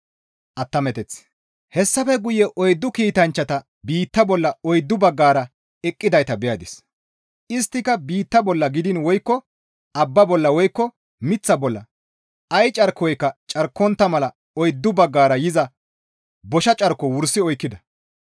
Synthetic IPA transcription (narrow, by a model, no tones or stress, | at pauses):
ʔɐt̪ːɐmɛt̪ɛt͡s | hɛsːɐfɛɡʊjɛʔɔjd̪ːʊkiːt̪ɐnt͡ʃːɐt̪ɐ | biːt̪ːɐbɔlːɐɔjd̪ːʊbɐɡːaːɾɐ | ɛkʼːɪd̪ɐjt̪ɐbɛjɐd̪ɪs | ɪst̪ːɪkɐbiːt̪ːɐbɔlːɐɡɪd̪ɪnwɔjkːɔ | ɐbːɐbɔlːɐwɔjkːɔ | mɪt͡sːɐbɔlːɐ̰ | ɐjt͡ʃʼɐɾkːɔjkːɐt͡ʃʼɐɾkːɔnt̪ːɐmɐlɐ | ɔjd̪ːʊbɐɡːaːɾɐjɪzɐ | bɔʃɐt͡ʃʼɐɾkːɔwʊɾsɪɔjkːɪd̪ɐ